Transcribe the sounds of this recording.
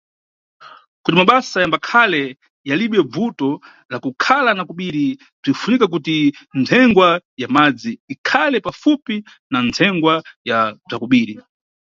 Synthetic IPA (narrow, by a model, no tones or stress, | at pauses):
kutimaɓasajambakʰalɛ | jaliɓɛb͡vutɔ | lakukʰalanakuɓiɾi | b͡ʐifunikak̬utintʰɛŋɡwajamad͡ziːkʰalɛpafupi | nantʰɛŋɡwajab͡ʐakuɓiːɾi